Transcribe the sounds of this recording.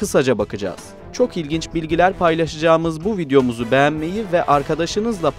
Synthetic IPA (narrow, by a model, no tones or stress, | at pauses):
ɯsad͡ʒabakɯd͡ʒa̰ːz̥ | t͡ʃʰo̞kilʲɟint͡ʃbilʲɟilʲæɾpʰajlˠaʃad͡ʒaːmɯzbuvid̪ejo̞muzubejænme̞jivɛʔaɾkʰad̪aʃɯnɯzlˠap